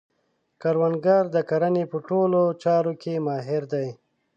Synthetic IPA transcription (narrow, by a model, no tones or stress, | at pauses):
kaɾwanɡɑɾd̪əkaɾanepəʈolot͡ʃɑɾokemɑɦɪɾd̪aj